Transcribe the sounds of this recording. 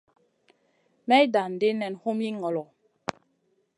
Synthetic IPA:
mɛ˦da˨n̩˨de˦nɛ˨nho˦mi˦ŋɔ˨lɔ˨

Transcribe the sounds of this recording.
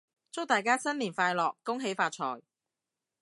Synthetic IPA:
t͡sʊ˥wt̪aː˨jkaː˥sɐ˥nliː˨˩nfaː˧jlɔː˨kːʊ˥ŋɦe˨˥jfaː˧t̚t͡ʃʰɔ̰ː˨˩j

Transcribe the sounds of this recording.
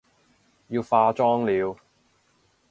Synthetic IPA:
ji˧wfaː˧t͡ʃɔː˥ŋliː˨˧w

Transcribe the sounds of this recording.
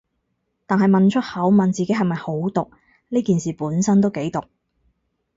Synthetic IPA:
t̪aː˨nɦɐ˨jmɐ˨nt͡ʃʰɵ˥t̚hɐ˨˥wmɐ˨nt͡siː˨ke˨˥ɦɐ˨jmɐ˨jho˨˥wt̪ʊ˨k̚ | liː˥kiː˨nsiː˨puː˨˥nsɐ˥nt̪o˥wke˨˥jt̪ʊ˨k̚

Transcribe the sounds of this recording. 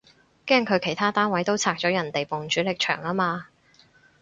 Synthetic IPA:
kɛː˥ŋkʰɵ˨˧ɥkʰe˨˩jt̪ʰaː˥t̪aː˥nwɐ˨˥jt̪o˥wt͡sʰaː˧k̚t͡sɔː˨˥jɐ˨˩nt̪e˨jpʊ˨ŋt͡ʃyː˨˥lɪ˨k̚t͡ʃʰœ̰ː˨˩ŋaː˥maː˧

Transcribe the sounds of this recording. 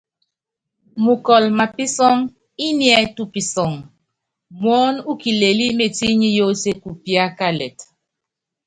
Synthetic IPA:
mu˨kɔ˨lma˨pi˦sɔ˦ŋ | i˦ni˦ɛ˨˦tu˦pi˨sɔ˨ŋ | mwɔ˦nu˦ki˨le˨li˦me˨ti˦ɲi˦jo˦se˦ku˨pi˦a˦ka˦lɛ˨t

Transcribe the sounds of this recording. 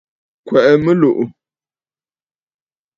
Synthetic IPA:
kwɛ˨ʔɛ˨mə˦lo˨ʔʊ˨

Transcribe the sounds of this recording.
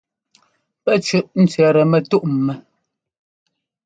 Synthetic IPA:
pɛ˦˨t͡ʃʉ˦˨ʔn̩˦t͡sɥɛ˨ɾɛ˨mɛ˨tu˦ʔm̩˨mɛ˨

